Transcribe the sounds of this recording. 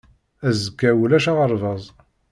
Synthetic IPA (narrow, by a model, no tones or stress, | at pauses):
æzəkːæwlæʃaʁəɾˤvɑzˤ